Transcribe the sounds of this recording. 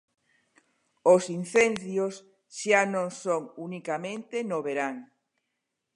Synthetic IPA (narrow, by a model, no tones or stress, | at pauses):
osin̟θend̪jos | ʃanõŋsoŋunikamẽnt̪enoβeɾaŋ